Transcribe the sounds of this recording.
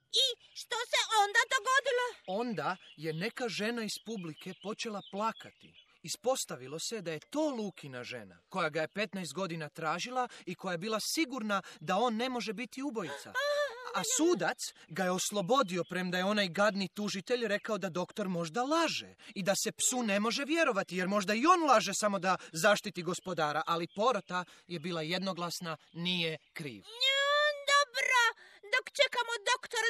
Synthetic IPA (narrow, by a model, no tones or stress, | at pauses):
i | ʃt̪oseʔond̪ad̪oɡod̪iloo̞nd̪aje̞ne̞kaʒe̞naispublike̞po̞t͡ʃe̞lˠaplˠaːkat̪ḭː | spo̞st̪aʋilˠo̞se̞d̪aje̞t̪o̞ːluːkinaʒe̞̰na̰ko̞jaɡaje̞pe̞t̪najst̪̚ɡo̞d̪inat̪ɾaːʒilˠaiko̞jaje̞biːlasiɡuɾnad̪ao̞ːnːe̞mo̞ʒe̞bit̪iubo̞jit̪sa̰asuːd̪at̪sɡajeo̞slˠo̞bo̞d̪io̞pɾe̞md̪ajeo̞najɡad̪nit̪uʒit̪e̞ʎɾe̞kao̞d̪ad̪o̞kt̪o̞ɾmo̞ʒd̪alaːʒḛid̪ase̞psune̞mo̞ʒe̞ʋje̞ɾo̞ʋat̪ije̞ɾmo̞ʒd̪aio̞ːnlˠaʒesamo̞d̪azaʃt̪it̪iɡo̞spo̞d̪aːɾaʔalipo̞ɾot̪a | je̞biːlˠaje̞d̪no̞ɡlˠasna | nijekɾḭːʋ | d̪obɾod̪okt͡ʃekamod̪okt̪oɾ